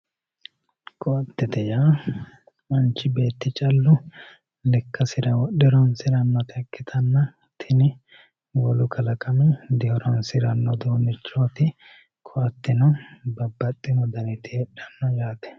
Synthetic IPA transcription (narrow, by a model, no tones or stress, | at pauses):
kʰɔɐt̪ːɛt̪ɛjaː | mɐnt͡ʃːɪbe̞ːt̪ːɪt͡ʃʼɐlːʊ | lɛkːɐsɪɾɐwɔɗɪɾɔnsɪɾɐnːɔt̪ɪɐkːɪt̪ʰɐnːɐ | t̪ʰɪnɪ | wɔlʊkʰɐlɐkʼɐmɛd̪ɪhɔɾɔnsɪɾɐnːɔd̪oːnːɪt͡ʃːoːt̪ɪ | kʰɔɐt̪ːɪnɔbɐbːɐt̪ʼːɪmɔd̪ɐnɪt̪ɪhɛᶑɐnːɔjaːt̪ɛ̥